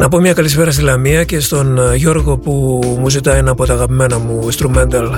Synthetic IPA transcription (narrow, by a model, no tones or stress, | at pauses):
nɐpo̞mɲɐkɐlispe̞ɾɐst̪ilɐmiɐce̞st̪o̞nʝo̞ɾɣo̞pumuzit̪ɐinɐpo̞t̪ɐːɣɐpime̞nɐmuinst̪ɾume̞nt̪ɐl